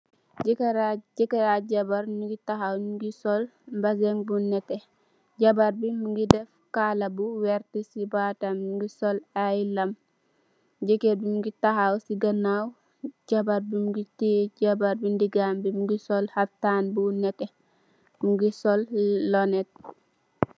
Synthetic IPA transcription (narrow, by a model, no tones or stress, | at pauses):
ɟikeɾaɟɛkeɾaɟabaɾnuɡitaɦawnuɡisɔlmbazeŋbunɛtɛ | ɟabaɾbimuŋɡidɛfkalabuwɛɾtisibatamuɡisɔlajlɐm | ɟekeɾbimuɡitahawsiɡɐnaw | ɟabaɾbimuɡitiɟabaɾbindiɡambimuɡisɔlhatːaːnbunɛte | muɡisɔlːɔnet̚